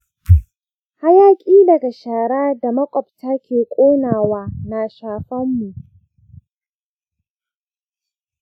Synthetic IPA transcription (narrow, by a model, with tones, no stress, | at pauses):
ha˦jaː˦kʲʼiː˦dɐ˨ɡa˨ʃaː˨ɽaː˦da˨mɐ˦kʷʼɔ˨p̚ta˦kʲeː˨kʷʼoː˦naː˨waː˦na˨ʃaː˨ɸɐ˦mːu˨ʔ